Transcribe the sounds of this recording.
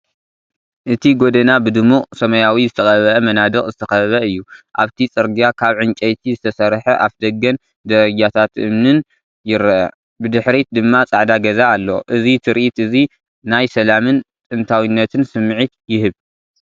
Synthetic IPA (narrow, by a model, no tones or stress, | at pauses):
ʔɨt̪ʰiɡod̪ɐnabɨd̪ɨmuqʼsɐmɐjawizɨt̪ʰɐxɐβʔɐmɐnad̪ɨχʼzɨt̪ʰɐxɐɐβɐɨjːuʔa̰βt̪ʰit͡sʼɨɾɡiakʰaβʕɨnt͡ʃʼɐjt̪ʰizɨt̪ʰɐsɐɾħɐʔafd̪ɐɡɐn | d̪ɐɾɐɡat̪ʰat̪ʔɨ̰mnɨn | jɪɾɐʔɐ̰ | bɨd̪ɨħɾit̪d̪ɨmːat͡sʼaʕd̪aɡɐzaːlːo̞̰ʔɨzit̪ʰɨɾʔit̪ʔɨzi | najsɐlamɨnt̪ʼɨnt̪ʰawinːɐt̪ʰɨnsɨmːʕit̪jɪɦɨβ